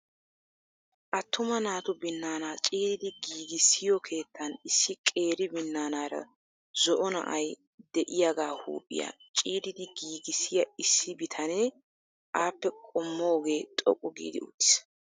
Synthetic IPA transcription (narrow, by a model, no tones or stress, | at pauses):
ʔɐt̪ːʊmɐnaːt̪ʊbɪnːaːnaːt͡ʃʼiːd̪ɪd̪ɪɡiːɡɪsːɪjɔkʰe̞ːt̪ʰːɐnɪsːɪkʼe̞ːɾɪbɪnːaːnaːɾɐ̰ | zɔʔɔnɐ̰ʔɐj | d̪ɛʔɪjaɡaːhṵːpʼːɪ̰ja̰ | t͡ʃʼiːd̪ɪd̪ɪɡiːɡɪsːɪjɐɪsːɪbɪt̪ʰɐneː | ʔaːpːɛkʼɔmːoːɡe̞ːt̪ʼɔ̰kʼːʊɡḭːd̪ɪʊ̰t̪ːɪ̥s